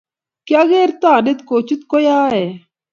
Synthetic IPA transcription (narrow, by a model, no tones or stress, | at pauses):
kjaɣeɾt̪aːnet̪koːt͡ʃit̪kojaːe